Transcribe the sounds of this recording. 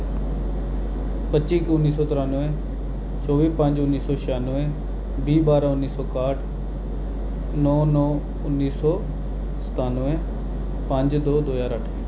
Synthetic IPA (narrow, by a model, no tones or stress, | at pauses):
pət͡ʃiːkʊnːiːsɔːt̪ɪɾaːnʋẽ | t͡ʃɔːʋiːpə̃ɲd͡ʒʊnːiːsɔːʃaːnʋẽ | biːbaːɾaʊnːiːsɔːkaːʈ | nɔːnɔː | ʊnːiːsɔː | sə̥t̪aːnʋẽ | pə̃ɲd͡ʒd̪oːd̪oːjaːɾəʈʰe